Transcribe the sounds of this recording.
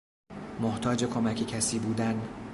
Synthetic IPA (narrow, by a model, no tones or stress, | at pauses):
moht̪ʰɒːd͡ʒe̞kʰo̞mæcʰecʰæsiːbuːd̪æn